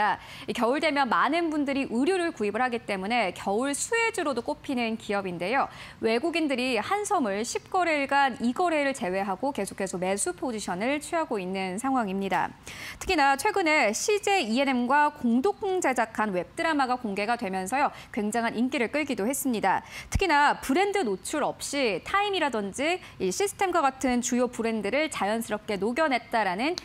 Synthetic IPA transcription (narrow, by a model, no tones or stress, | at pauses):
a | ikjʌuɭte̞mjʌnmanɯnbundɯɾiʔɯɾjoɾɯɭkuibɯɭɦaɡit͈e̞mune̞kjʌuɭsʰue̞d͡ʑɯɾodok͈opʰinɯnkiʌbinde̞jowe̞ɡuɡindɯɾihansʰʌmɯɭɕʰip̚k͈ʌɾeɭɡaniɡʌɾe̞ɾɯɭt͡ɕe̞we̞ɦaɡoke̞sʰo̥kʰe̞sʰʌme̞sʰupʰod͡ʑiɕʰʌnɯɭt͡ɕʰɥiɦaɡoinːɯnsʰaŋɦwaŋimɲida̰tʰɯ̥kʰinat͡ɕʰwe̞ɡɯne̞ɕʰid͡ʑe̞ie̞ne̞mɡwakoŋdokʰɯŋd͡ʑe̞d͡ʑakʰanwe̞p̚t͈ɯɾamaɡakoŋɡe̞ɡadwe̞mjʌnsʰʌjokwe̞ŋd͡ʑaŋɦanʔimk͈iɾɯɭk͈ɯɭɡidohe̞s͈ɯmɲidatʰɯ̥kʰinapɯɾe̞ndɯnot͡ɕʰuɾʌp̚ɕ͈itʰaimiɾadʌnd͡ʑi | iɕʰisʰɯ̥tʰe̞mɡwaɡatʰɯnt͡ɕujopɯɾe̞ndɯɾɯɭt͡ɕajʌnsʰɯɾʌp̚k͈e̞noɡjʌnɦe̞t̚t͈aɾanɯn